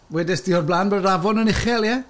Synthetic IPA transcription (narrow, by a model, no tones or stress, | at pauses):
wɛdɛsd̥iːɔrblˠaːnbənravɔnənɪχɛlˠjɛ